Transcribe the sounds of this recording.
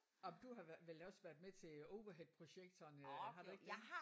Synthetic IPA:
ɒ̽md̥uɦɑ̈ʋʋelɛːʊsʋæɐd̥met͡sʰe̝oʊʋɐɦed̥̚pʰʁo̝ɕeɡ̥̚d̥ʰɐːnɦɑ̈ɾ̥ueɡ̥d̥

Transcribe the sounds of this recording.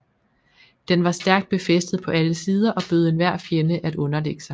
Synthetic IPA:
d̥enʋɑ̈sd̥æɐɡ̥d̥̚b̥e̝fesd̥ð̞̩ˠpʰɒ̽æləsiːð̞ˠɐʔɒ̽b̥øð̞̩ˠe̝nʋæɐ̰fjenəʔædɔ̽nɐleɡ̥ə̥sɑ̈ɪ

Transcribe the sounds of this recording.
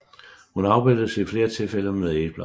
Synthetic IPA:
hunɑ̈ʊb̥aɪ̰d̥ð̩ˠseifle̝ːɐt͡sʰe̝lfel̰əmeðˠe̥b̥lɑ

